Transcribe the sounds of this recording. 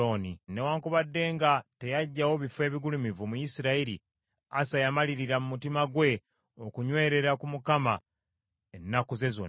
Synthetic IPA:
onine̞waːŋkuβadːe̞ːŋɡate̞jaɟːawo̞βifwe̞ːβiɡulumivumujisiɾaiɾḭ | a̰sajamaliɾiɾamumutimaɡwe̞ | okuɲwe̞ːɾe̞ɾakumukama | enːakuze̞zo̰n

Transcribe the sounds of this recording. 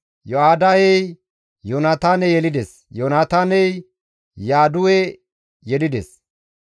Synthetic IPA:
joaːd̪ajɛj | jonaːt̪aːnɛjɛlɪd̪ɛs | jonaːt̪aːnɛj | jaːd̪ʊwɛ | jɛlɪd̪ɛ̰s

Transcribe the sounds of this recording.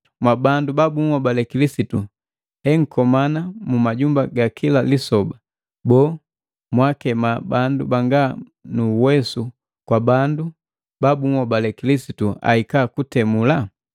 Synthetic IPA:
mwabandubabuŋwɔbalɛkilisitu | hɛŋ̩kɔmanamumaɟumbaɡakʰilalisɔba | bɔː | mwakɛmabandubaŋɡa | nuwɛsu | kwabandu | babuŋwɔbalɛkilisitua̰ikakutɛmula

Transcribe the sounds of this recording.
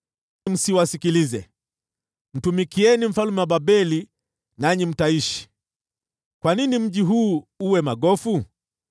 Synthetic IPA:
m̩siwasikilizɛ | n̩tumikiɛnim̩falumɛwaɓabɛli | naɲim̩taiʃi̥ | kwaninim̩ʄiɦuːuwɛmaɡɔfu

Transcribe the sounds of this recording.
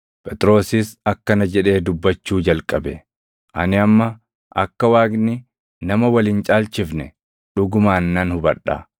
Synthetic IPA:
pʼɛt̪ʼɾo̞ːsɪsɐkːɐnɐd͡ʒɛᶑe̞ːd̪ʊbːɐt͡ʃːuːd͡ʒɐlkʼɐbɛ | ʔɐ̰nɪɐmːɐ | ʔɐkːɐwaːɡnɪ | nɐmɐwɐlɪnt͡ʃʼaːlt͡ʃɪfnɛ | ᶑʊɡʊmaːnːɐnhʊbɐᶑa̰

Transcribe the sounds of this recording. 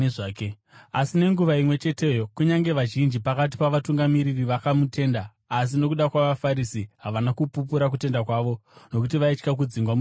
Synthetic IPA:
ʐaːk | asine̞ŋɡuʋaimwe̞t͡ʃe̞te̞jokuɲaŋɡe̞ʋaʒind͡ʒipakat̬i̥paʋatuŋɡamiɾiriʋakamute̞ːndaː | s̬ino̞kuɗakwaʋafaɾisiɦaʋanakupup̬uɾak̬ute̞ndakwaːʋo̞no̞kutiʋait͡ʃkak̬ud͡ziŋɡwamu

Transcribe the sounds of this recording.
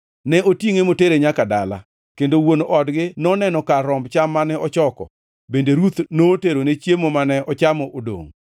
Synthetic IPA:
nɛotiŋemoteɾeɲakada̰la̰ | kendowonoʔɔdɡɪnɔnɛnɔkaɾɔmbt͡ʃamːanɛɔt͡ʃɔkɔ̰ | bendeɾut̪noteɾonet͡ʃjemomanɛɔt͡ʃamɔʔodo̰ŋ

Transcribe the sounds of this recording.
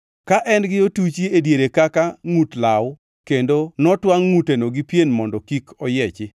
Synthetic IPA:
kaʔɛnɡɪotut͡ʃiedjeɾekakaŋutlaw | kendonɔtwaŋːutenoɡipjenmɔndɔkikʰɔjɛt͡ʃɪ

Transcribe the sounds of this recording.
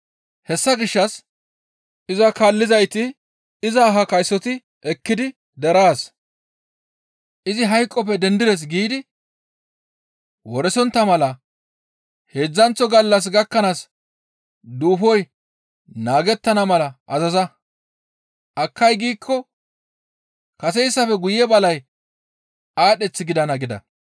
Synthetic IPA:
hɛsːɐɡɪʃːɐs | ʔɪzɐkaːlːɪzɐjt̪ɪ | ɪzɐːɦɐkɐjsːɔt̪ɪ | ʔɛkːɪd̪ɪ | d̪ɛɾaːs | ʔɪzɪɦɐjkʼːɔpɛd̪ɛnd̪ɪd̪ɛs̬ɡiːd̪ɪ | wɔɾɛsɔnt̪ːɐmɐlɐ | he̞ːd͡zːɐnt͡sːɔɡɐlːɐs̬ɡɐkːɐnaːs | d̪uːfɔj | naːɡɛt̪ːɐnɐmɐlɐʔɐzɐzɐ | ʔɐkːɐjɡiːkʰːɔ | kɐs̬ɛjɪsːɐfɛɡʊjɛbɐlɐj | aːɗɛt͡sːɪɡɪd̪ɐnɐɡɪd̪ɐ̰

